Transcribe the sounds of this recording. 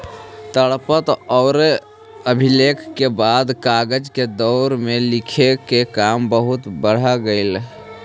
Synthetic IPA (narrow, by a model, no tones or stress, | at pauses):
t̪əɽpət̪ɔːɾ | əbʱɪleːkʰkebaːd̪kaːɡəd͡ʒked̪ɔːɾmẽlɪkʰekekaːmbəɦʊt̪bəɽ̤aɡəɪl